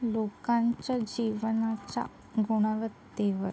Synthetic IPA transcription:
lokãɲt͡ɕjad͡ʑiʋənat͡ɕa̰ | ɡuɽ̃aʋət̪ːeʋəɾ

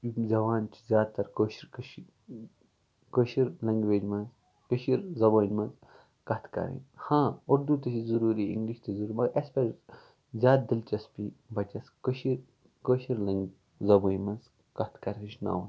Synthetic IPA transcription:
zɐʋaːnt͡ʃʰi̥zʲaːd̪̚t̪ɐɾkoʃiɾk | koʃiɾlɐ̃ŋɡʋeːd͡ʒmɐnz | kəʃiɾzɐboːnmɐnz | kɐt̪ʰkɐ̰ɾḭnhãːoɾd̪ut̪ɐt͡ʃizuɾuːɾiḭ̃ŋɡliʃt̪ɐzuɾuɾmɐɡʔɐspʲɐɾ | zʲaːt̪̚d̪ilt͡ʃɐspibɐt͡ʃʲɐskɨʃiɾ | koːʃiɾlɐŋɡ | zɐboːnʲmɐnz | kɐt̪ʰkɐɾiit͡ʃna̰ːwn

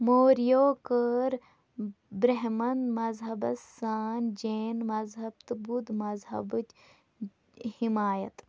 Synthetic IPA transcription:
moːɾijoːkəɾ | bɾeɦmɐnmɐzɦɐbɐs | aːnd͡ʒeːnmɐzɦɐb̚t̪ɨbud̪mɐzɦɐ̰bɨt͡ʃ | himaːjɐt̪

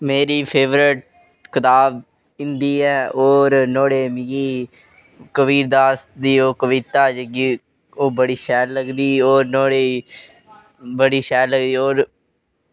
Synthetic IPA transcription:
meːɾiːpʰeːʋɾɪʈ̚ | kɪt̪aːb | ɪ̃nd̪iːɛːoːɾnoːɽeːmiɡiː | kəʋiːɾd̪aːsd̪iːoːkəʋit̪aːd͡ʒəɡiː | oːbəɽiːʃɛːlləɡd̪iːoːɾnoːɽeː | bəɽiːʃɛːlləɡd̪iːoːɾ

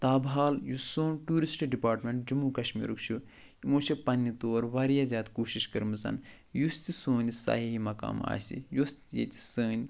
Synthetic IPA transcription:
t̪aːbɦaːljusoːnʈuːɾisʈɖipaːɾʈmʲeɳʈ̚d͡ʒumukɐʃmḭːɾukt͡ʃʰu | imoːt͡ʃepɐnʲːit̪oːɾʋɐɾjazʲjaːd̪koːʃiʃkɐɾmɨsɐ̰n | just̪isoːnisa̰ɦiɦimɐka̰ːma̰ːsḭjost̪jḛt̪ʲi̥səːnʲ

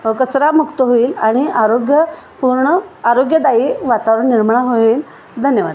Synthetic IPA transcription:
ʋəkəsɾamukt̪əɦoiːlaɽ̃iaɾoɡjəpuɾɳəaɾoɡjəd̪aiːʋat̪aʋɾəɳnːiɾmɳaɦoiːl | d̪ʱənjəʋad̪

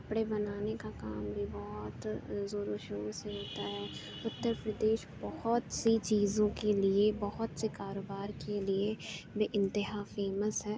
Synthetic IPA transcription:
ɐpɽ̃ebɐnaːnekakaːmbʱibɔɦt̪zoɾoʃoːseɦoːt̪aɦɛː | ʊt̪ːəɾpɾəd̪eːʃbɐɦɔt̪sit͡ʃiːzõkeliebɐɦɔt̪sekaːɾoːbaːɾkeliebiʔɪ̃nt̪ɪɦafeːməsɦɛː

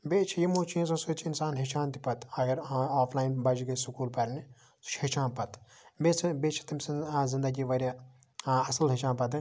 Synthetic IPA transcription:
beːt͡ʃʰijimoːt͡ʃʰiẽsɐsoːt͡ʃʰiinsaːnɦit͡ʃʰaːnt̪ipɐt̪ɐɡɐɾaːpʰlaːjnbɐd͡ʒɡɐsukuːlpɐɾʲni | su̥t͡ʃhit͡ʃʰaːnpɐt̪ | beːt͡sʰbeːt͡ʃʰi̥t̪ɐmʲszĩnd̪ɐɡiʋɐɾʲja | ɐsɐlɦit͡ʃaːnpɐt̪ɨ

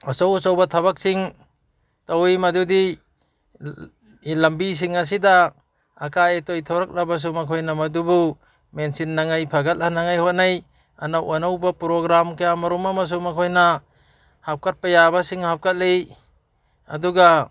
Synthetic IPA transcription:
asawsawbat̪ʰaβak̚siŋ | tawimɐdudi | lɐmbis̬iŋɐs̬idaː | kaetojt̪ʰoɾak̚labas̬umakʰojnamɐdubu | mensinːaŋajpʰaɡɐt̚anaŋajhot̚naj | ɐnawanawbapuɾoɡɾamkajamɐɾumamas̬umakʰojna | hap̚kat̚pajabasiŋhap̚kat̚lej | ɐduɡa

